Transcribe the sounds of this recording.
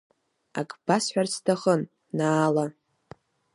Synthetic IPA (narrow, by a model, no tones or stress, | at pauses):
a̰kʼb̥asħʷᶣarstʰaχənː | aːla